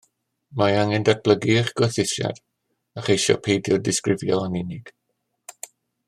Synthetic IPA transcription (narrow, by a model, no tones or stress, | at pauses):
maaŋɛndak̚b̥lˠəɡiχɡ̥ɔθɪsja̰d̥ | aχejʃɔ̰pʰejdjʊdɪskrɪvjɔanɪnɪɡ̥